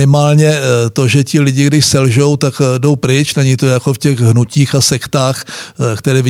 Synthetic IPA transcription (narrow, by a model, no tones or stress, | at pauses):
ɪmaːlɲɛt̪o̞ʒɛcɪlɪɟɪɡdɪʃsɛlʒo̞wt̪akdo̞wpɾɪt͡ʃnaɲit̪ojako̞fcɛɣɦnuciːxasɛkt̪aːxkt̪ɛɾɛːvɪ